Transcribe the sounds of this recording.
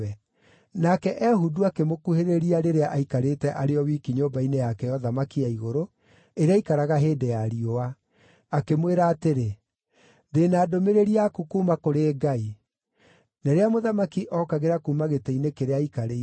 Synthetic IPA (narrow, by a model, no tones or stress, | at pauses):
ɛ | nakɛʔɛɦuduakemokuheɾeɾiaɾeɾeaʔaikaɾetɛʔaɾeɔwiːkiɲobainejakɛjɔðamakiaiɣoɾo | eɾeaikaɾaɣaɦeːdɛjaɾioaː | kemweɾaːteɾe | ðenaːdomeɾeɾiakukumakoɾeːɡai | nɛɾeamoðamakiʔɔkaɣeɾakuːmaɣetɛinekeɾeaikaɾe